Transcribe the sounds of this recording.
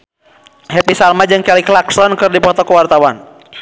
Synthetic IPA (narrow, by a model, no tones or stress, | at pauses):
ɦɛpisalmad͡ʒɨŋkɛliklaksɔnkɨrdipɔt̪ɔkuwart̪awan